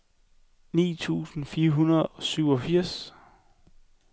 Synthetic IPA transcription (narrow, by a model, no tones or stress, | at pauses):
nḭːt͡sʰṵːsn̩fiːɐɦunɐð̩ˠɒ̽syʊ̰ɒ̽fiɐ̰s